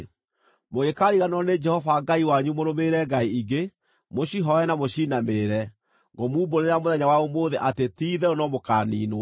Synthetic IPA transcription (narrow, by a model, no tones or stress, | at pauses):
moɣekaːɾiɣanɔned͡ʒɛhɔvaɡaiwaɲumoɾomeɾɛɡaiiɡe | moɕiɦɔɛnamoʃinameɾɛ | ɡɔmuːboɾeɾamoðɛɲawaomoðeʔatetiːðɛonɔmokanḭːno